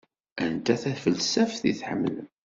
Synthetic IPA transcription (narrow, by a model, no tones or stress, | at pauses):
ænt̪æθæfəlsæfθḭθħəmːləm